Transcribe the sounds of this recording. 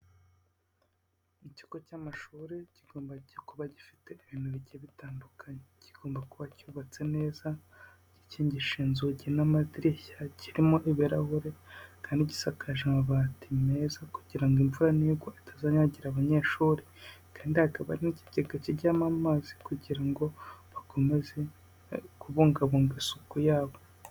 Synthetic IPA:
ici̥kocamaʃuːɾeciɡoːmbaɟokuβaɟifi̥te̞iβin̥uβiɟeβitaːndukʰaneciɡ̥o̞ːmbakuβacuːβat͡se̞ne̞ːzḁ | iciːɲɟiʃiːnzuɟinamadiɾiçaciɾimo̞ʔiβiɾahuɾe̞kaːndiɟi̥sakʰaʒaβatʰime̞zakuɟiɾaŋɡiɱvuɾaniːɡwoʔitʰazaɲaɟiɾaβaɲe̞ːʃuɾikʰaːndihakaβa̰ɾinici̥ɟeɡaciɾɟamamazi̥kuɟiɾaŋɡoβako̞me̞ze̞ | kuβoːŋɡaβoːŋɡisukujaːβo̞

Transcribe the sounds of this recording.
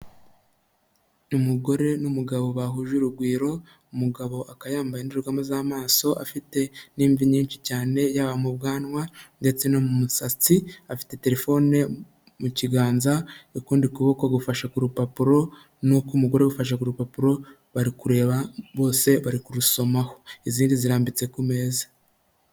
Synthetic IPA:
umuɡo̞ɾe̞numuɡaβo̞βaɦuʒuɾuɡwiːɾo̞ | umuɡaβo̞ʔakajaːmbajeniɾuɾɡamuzaːmaːso̞ʔafite̞niːɱviɲiːnt͡ʃicaːne̞jaβamubɡaːnwande̞t͡se̞nomumusat͡siafi̥te̞te̞ɾe̞fo̞ne̞ | muciɡaːnzaukuːndikuβo̞koɡufaʃakuɾupapuɾo̞ | nukumuɡo̞ɾeɡufaʃ̬akuɾupapuɾo̞ | βaɾikuɾe̞ːβaβo̞ːse̞βaɾikuɾuso̞mahoiziːndiziɾaːmbit͡se̞kume̞ːzḁ

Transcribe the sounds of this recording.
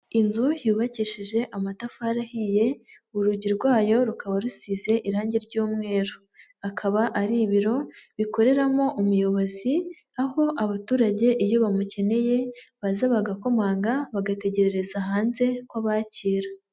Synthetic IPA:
inzujuːβaciːʃiʒe̞ʔamatafaɾahije̞ | uɾuɟiɾɡwaːjo̞ɾukaβaɾusiːze̞ʔiɾaːɲɟiɾɟuːmŋe̞ːɾo | akʰaβaʔaɾiβiɾo̞βiko̞ɾe̞ɾamo̞ʔumujo̞βo̞zi | aho̞ʔaβatuːɾaɟe̞ʔijo̞βamuce̞ne̞je̞βazaβaɡako̞maːŋɡaβaɡate̞ɟe̞ɾeɾe̞zaɦaːnze̞kwaβaciːɾa

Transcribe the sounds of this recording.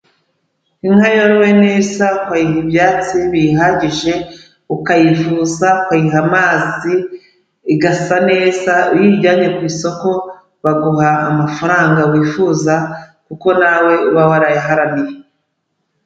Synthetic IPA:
iŋ̥hajoɾwe̞neːzakwajihibjaːt͡siβiɦaɟiʒe̞ | ukajifuːzakwajiɦamaːziː | ɡasane̞ːzaijiɾɟaːɲe̞kwiːso̞ko̞ | βaɡuɦaːmafaɾaːŋɡawiːfuːzakuko̞nawe̞uβawaɾajaɦaɾanije

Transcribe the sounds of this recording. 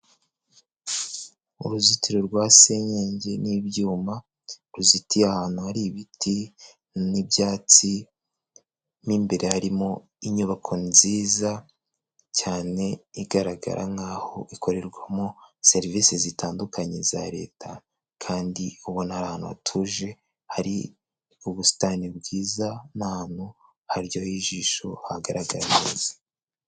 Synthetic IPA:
ṵɾuzitʰiɾoɾɡwase̞ɲeːɲɟe̞niβjuːma | ɾuzitiahaːnhuhaɾiβiti | nibjaːt͡si | niːmbe̞ɾe̞haɾimo̞ | iɲuβakʰo̞ziːza | caːne̞iɡaɾaɡa̰ɾʔa̰ŋɡaːho̞ʔiko̞ɾe̞ɾɡwamose̞ɾiviːsezitaːndukʰaɲe̞zaɾe̞ːtʰa | kʰaːndiuβonhaɾahanua̰tʰuʒe̞ | haɾḭ | uβusi̥tanib̚ɡiːzanahanhu | haɾjojiːʒiːʃo̞haɡaɾaɡa̰ɾanzḁ

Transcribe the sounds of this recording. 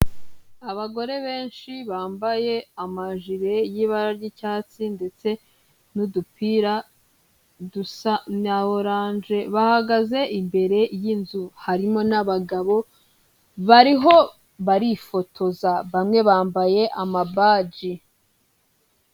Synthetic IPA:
aβaɡo̞ɾe̞βe̞ːnʃiβaːmbaje̞amaʒiɾe̞jiːβaɾaɾɟicaːt͡sinde̞t͡se̞ | nudupiɾa | dusanaβoɾaːnʒe̞βahaɡaze̞ʔimbe̞ɾe̞jinzuhaɾimo̞naβaɡaβo̞ | βaɾiɦo̞ | βaɾifo̞tʰo̞zaβamŋe̞βaːmbaje̞ʔamabaːɟi

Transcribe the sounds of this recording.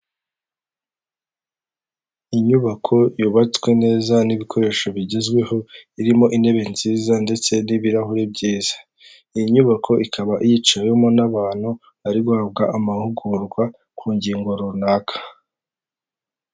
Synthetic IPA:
iɲuβakʰo̞juβat͡swe̞ne̞ːzaniβikʰo̞ɾe̞ːʃo̞βiɟezɡwe̞ho̞iɾimo̞ʔinde̞βe̞nziːzande̞t͡se̞niβiɾahuɾe̞bɟiːz̥ḁ | ijiɲuβakʰo̞ʔikʰaβaʔijit͡ʃawemonaβaːn̥hu | aɾiɡwaab̚ɡaʔamahuɡuɾɡwa | kʰuːɲɟiːŋɡoɾuunaːkʰḁ

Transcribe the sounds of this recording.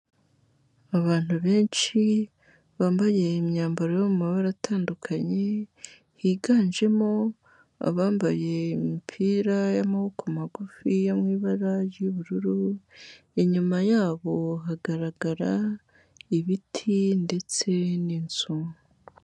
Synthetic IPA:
aβaːn̥huβe̞ːnt͡ʃi | βaːmbaje̞imɲaːmbaɾojomumaβaɾatʰaːndukʰaɲe̞ | hiːɡaːnʒe̞mo̞ | a̰βaːmbaje̞mipʰiːɾajamahokʰomaɡufijamŋiːβaɾajiβuɾuɾu | iɲumajaːβo̞ɦaɡaɾaɡaɾa | iβitʰinde̞t͡se̞nint͡sum

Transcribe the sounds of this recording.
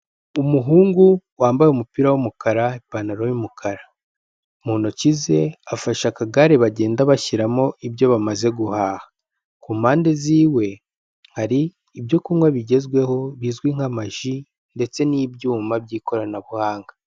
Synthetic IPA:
umuɦuːŋɡuwaːmbajeumupiːɾawomukaɾaipanaɾojumukʰaɾa | muːnocize̞afaʃakaɡaɾeβaɟe̞ːndaβaçiɾamo̞ʔibjo̞βamaze̞ɡuhaːhḁ | kuːmaːnde̞ziːwe̞ | haɾiː | bjo̞kuːŋɡwaβiɟe̞zɡwe̞ho̞βiːzɡwiŋ̥amaʒi | nde̞t͡se̞nibjuːmabɟiːko̞ɾanaβuhaːŋɡa

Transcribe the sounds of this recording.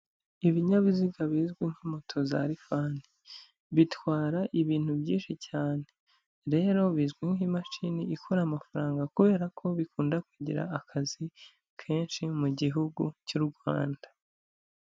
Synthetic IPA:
iβiɲaβiziɡaβiːzɡwiŋhimotʰo̞za̰ɾifaːni | βitwaːɾaʔiβiːn̥hubjiːnʃicaːne̞ | ɾe̞ːɾo̞βizɡwiŋhimaʃiniːkʰuɾaːmafaɾaːŋɡakuβe̞ːɾakʰo̞βikuːndakwuɟḭɾa̰ːkʰazi | kʰe̞ːnʃimuɟiɦuɡucuɾɡwaːndḁ

